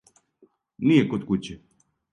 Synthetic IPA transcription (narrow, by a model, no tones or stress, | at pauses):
nijɛkot̪kut͡ɕɛ